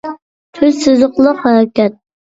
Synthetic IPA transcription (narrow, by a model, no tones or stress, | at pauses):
t̪ʰøzsɨzʊqlˠəqhæɾɛkʲɛt̪̚